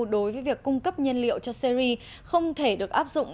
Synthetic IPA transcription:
ɗo˨˦jvəː˨˦jvi˨˩əkːʊ˧ŋ͡mkə˦˥p̚ɲə˧nlḭ˧˨wt͡ɕɔ˧si˧ɾi˧ | xə˧wŋ͡mt̪ʰe˧˩ɗɨ˨˩ək̚ʔaː˦˥p̚zʊ̰˧˨ŋ͡m

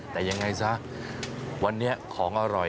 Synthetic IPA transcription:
t̪ɛː˨˩ja˧ŋːa˧jsa˦˥ʔ | wa˧nːi˦˥ɐkʰɔː˩˦ŋʔa˧ɾɔ˨˩

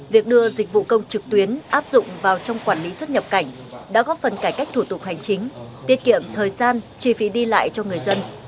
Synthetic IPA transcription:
vi˨˩ək̚ɗɨ˧əzï˨˩k̟̚vṵ˧˨kə˧wŋ͡mt͡ɕɨ˨˩k̚t̪wi˨˦ənʔaː˦˥p̚zʊ̰˧˨ŋ͡mvaː˨˩wt͡ɕɔ˧wŋ͡mkwaː˧˩nli˨˦swə˦˥t̚ɲə˨˩p̚ka˧˩jŋ̟ | ɗa̰ː˧˥kɔ˨˦fə˨˩nkaː˧˩jka˦˥jk̟̚t̪ʰu˧˩t̪ʊ˨˩k̚ha˨˩jŋ̟t͡ɕï˨˦ŋ̟t̪i˧əkḭ˧˨˩əmt̪ʰəː˨˩jzaː˧nt͡ɕi˧˩fi˨˦ɗi˧la̰ː˧˨jt͡ɕɔ˧ŋɨ˨˩əjzə˧n

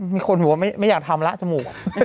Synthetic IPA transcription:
miː˧kʰo˧nu˨˩˦ma˥˩ma˥˩jaː˨˩k̚t̪ʰa˧mla˦˥ʔt͡ɕa˧muː˨˩k̚

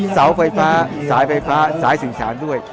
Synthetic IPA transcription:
sa˩˦wfa˧jfaː˦˥saː˩˦jfa˧jfaː˦˥saː˩˦jsɯ˨˩ŋsaː˩˦ndu˥˩əj

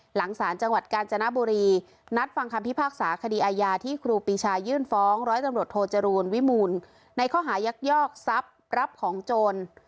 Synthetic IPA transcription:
la˩˦ŋsaː˩˦nt͡ɕa˧ŋwa˨˩t̪̚kaː˧nt͡ɕa˧na˦˥buː˧ɾiː˧ | na˦˥t̪̚fa˧ŋkʰa˧mpʰi˦˥˩pʰaː˥˩k̚saː˩˦kʰa˧diː˧ʔaː˧jaː˧t̪ʰiː˥˩kʰɾuː˧piː˧˩t͡ɕʰaː˧jɯː˥˩nfɔː˦˥ŋɾɔː˦˥jt̪a˧mɾu˨˩ət̪ʰːoː˧t͡ɕa˧ɾuː˧nwi˦˥muː˧nː | a˧jkʰɔː˥˩ɦaː˩˦ja˦˥k̚jɔː˥˩k̚sa˦˥p̚ | ɾa˦˥p̚kʰɔː˩˦ŋt͡ɕoː˧n

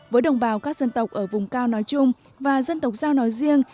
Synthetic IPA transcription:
vəː˨˦jɗə˨˩wŋ͡mɓaː˨˩wkaː˦˥k̚zə˧nt̪ə˨˩wk͡p̚ʔəː˧˩vʊ˨˩ŋ͡mkaː˧wnɔ˨˦jt͡ɕʊ˧ŋ͡m | vaː˨˩zə˧nt̪ə˨˩wk͡p̚zaː˧wnɔ˨˦jzi˧əŋ

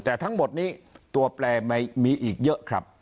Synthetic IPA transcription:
t̪ɛː˨˩t̪ʰa˦˥ŋmo˨˩t̪̚niː˦˥˩t̪u˧ɐplɛː˧ma˧jmiː˧ʔiː˨˩k̚jɤ˦˥ʔkʰɾa˦˥p̚

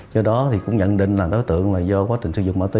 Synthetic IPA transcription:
zɔ˧ɗɔ˨˦t̪ʰi˨˩kʊ̰˧˥ŋ͡mɲə̰˧˨nɗḭ̈˧˨ŋ̟laː˨˩mɗo˨˦jt̪ɨ̰˧˨əŋlaː˨˩zɔ˧kwaː˨˦t͡ɕï˨˩ŋ̟sɨ˧˩zʊ̰˧˨ŋ͡mma̰ː˧wt̪i˨˦

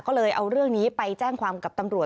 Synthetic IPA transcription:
kɔː˥˩lɤː˧jʔa˧wɾɯ˥˩əŋniː˦˥pa˧jt͡ɕɛː˥˩ŋkʰwaː˧mka˨˩p̚t̪a˧mɾu˨˩ə

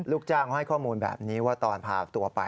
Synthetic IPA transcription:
luː˥˩k̚t͡ɕaː˥˩kʰɔ˧˩ha˥˩jkʰɔː˥˩muː˧nbɛ̰ː˨˩p̚niː˦˥waː˥˩t̪ɔː˧npʰaː˧˩t̪u˧ɐpa˧

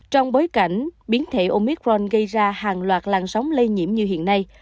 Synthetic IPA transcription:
t͡ɕɔ˧wŋ͡mɓo˨˦jka˧˩jŋ̟ɓi˨˦ənt̪ʰe˧˩ʔo˧mi˦˥k̚ɹɔ˧nɣə˧jzaː˧haː˨˩ŋlwaː˨˩t̚laː˨˩ŋsɔ˨˦wŋ͡mlə˧jɲḭ˧˩əmɲɨ˧ɦḭ˧˨ənːa˧j

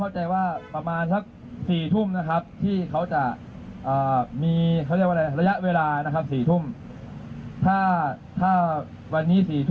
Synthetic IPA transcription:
a˥˩wt͡ɕa˧jwaː˥˩pɾa˧maː˧nsa˦˥k̚ | siː˨˩t̪ʰu˥˩mna˦˥kʰa˦˥p̚t̪ʰiː˥˩kʰa˦˥wt͡ɕa˨˩ | ʔɤː˨˩miː˧kʰkːʔa˧la˧ɾa˧ja˦˥ʔweː˧laː˧na˦˥kʰa˦˥p̚siː˨˩t̪ʰu˥˩m | t̪ʰaː˥˩ | t̪ʰaː˥˩ | wa˧nːiː˦˥siː˨˩t̪ʰ

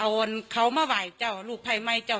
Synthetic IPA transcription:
a˧˩˧nkʰa˧˥wmaː˧˨waː˨˩jt͡ɕa˧˩wluː˧˩k̚pʰa˧˩jma˧˩jt͡ɕa˧˩w

